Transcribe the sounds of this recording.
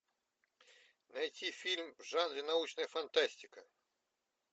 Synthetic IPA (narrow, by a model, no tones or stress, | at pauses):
najtʲifʲilʲmvʐad̪vʲinaut͡ʂnɐjɐfant̪asʲtʲikɐ